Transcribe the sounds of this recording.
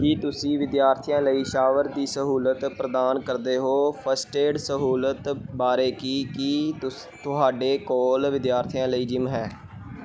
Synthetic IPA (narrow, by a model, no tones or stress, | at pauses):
kiːt̪ʊsĩːʋɪd̪jaːɾt̪ʰijãːləiːʃaːʋəɾd̪iːsəɦuːlət̪pɾəd̪aːnkəɾd̪eːɦoːpʰəsʈeːɖsəɦuːlət̪baːɾeːkiːkɪ | t̪ʊɦaːɖeːkɔːlʋɪd̪jaːɾt̪ʰijãːləiːd͡ʒɪmɦɛː